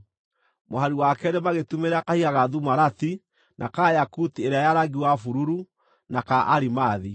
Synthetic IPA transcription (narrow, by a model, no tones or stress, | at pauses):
moɦaɾiwakɛɾemaɣetumeɾakahiɣaɣaðumaɾati | nʔakajakutieɾeajaɾaɡiwafuɾuɾu | nakaʔaɾimaːði